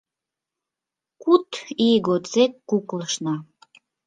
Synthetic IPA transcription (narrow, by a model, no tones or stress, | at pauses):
kut̪iɣot͡sekːukləʃnɑ